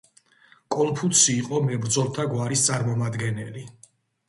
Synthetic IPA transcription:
kʼɔmpʰut̪siːqʼɔmɛbɾd̪zɔlˠt̪ʰaɡwaɾist̪sʼaɾmɔmad̪ɡɛnɛli

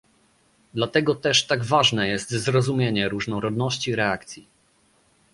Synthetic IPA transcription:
d̪lat̪ɛɡɔt̪ɛʂt̪aɡvaʐnɛjɛst̪zɾɔzumʲjeɲɛɾuʐnɔɾɔd̪nɔɕt͡ɕiɾɛakt̪sʲji

